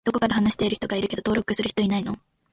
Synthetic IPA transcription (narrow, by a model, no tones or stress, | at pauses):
d̪̥o̞ko̞kad̪eɦanaɕi̥t̪e̞iɾ̟ç̥it̪o̞ɡaiɾɯ̟ke̞d̪ot̪o̞ːɾo̞kɯ̟sɨɾɯ̟çi̥t̪oinaino̞